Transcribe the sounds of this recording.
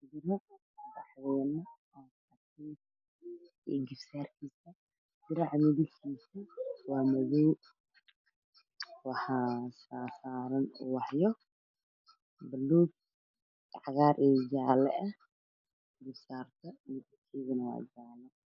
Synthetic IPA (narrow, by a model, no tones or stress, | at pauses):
dɪɾɐ | dɑħwɛːnɐ | a | ɐtʰɛːt̪ | ɪɡɪfsaːrkʰiːsɐ | dɪɾaʕmɪðɪlkʰiːsɐwɑːmɐðɔw | wɑħɑːsaːsaːɾɐnṵwɑħjɔ | bɐlːuːɡ | ʕɣaːɾʔɛːd͡ʒaːlɛ̰ʔɐ | ɪŋɡɪfsaːrt̪ʰɐmɪðɪlkʰiːɣɐnɐwa̰ːd͡ʒaːlɛ